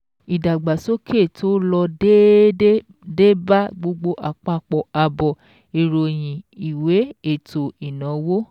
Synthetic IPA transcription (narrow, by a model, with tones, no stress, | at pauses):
i˨da˨ɡ͡ba˨so˦kʰe˦˨tʰo˨˦lɔ˧de˦ | de˦ba˦ɡ͡bo˧ɡ͡bo˧ʔa˨k͡pa˧k͡pɔ˨k͡pa˧bɔ˨ | i˨ɾo˨j̃ĩ˨i˨we˨˦e˨to˨i˨nã˨˦wo˦